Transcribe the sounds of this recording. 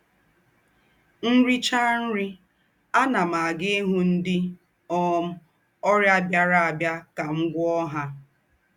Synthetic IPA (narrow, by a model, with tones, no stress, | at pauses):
n̩˦ɾi˦t͡ʃa˦n̩˦ɾi˦ | a˦na˨ma˨a˨ɡe˦e˦ɦu˦n̩˦dɪ˦ | ɔ˦m̩˦ | ɔ˦ɾja˦bja˦ɾa˦a˨bja˦ka˨ŋ̩˦ɡʷɔ˦ɦa˦